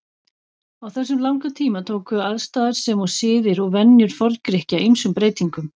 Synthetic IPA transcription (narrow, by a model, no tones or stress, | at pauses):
awθɛsːʏmlawŋkat̪ʰiːmat̪ʰoːwkʏaðst̪aːðaɾ̥sɛmɔsɪːðɪɾɔɣvɛnːjʏɾ̥fɔɾkɾɪhcaʔijmsʏmpɾeːjt̪iŋkʏm